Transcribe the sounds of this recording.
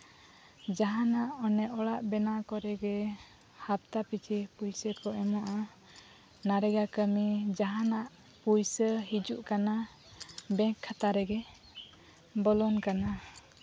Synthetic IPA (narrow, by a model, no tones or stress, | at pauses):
d͡ʒaɦanaʔɔnɛʔɔɽaʔbɛnakɔɾɛɡɛ | hap̚t̪apit͡ʃʰipujsəkɔʔɛmɔʔa | naɾɛɡakəmid͡ʒaɦanaʔ | pujsəhid͡ʒuʔkana | bɛ̃ŋkʰːat̪aɾɛɡɛ | bɔlɔnkana